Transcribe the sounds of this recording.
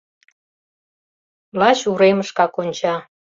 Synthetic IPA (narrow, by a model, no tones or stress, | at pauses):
lɑt͡ɕuɾeməʃkɑkonʲt͡ɕɑ